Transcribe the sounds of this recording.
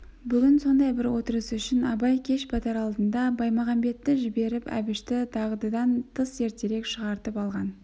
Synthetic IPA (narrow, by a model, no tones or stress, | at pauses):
bʏɡʲɪnso̞nd̪ɑjbɪɾwo̞t̪əɾəsʏʃɪnɑbɑjkʲʰe̞ʃbɑt̪ɑɾɑlˠd̪ənd̪ɑbɑjmɑʁɑmbe̞t̪ːɪʒɪbe̞ɾɪpæ̰bɪʃt̪ɪt̪ʰɑʁəd̪ɑd̪ɑnt̪ʰəse̞ɾt̪e̞ɾe̞kʃəʁɑɾt̪əpɑlˠʁɑn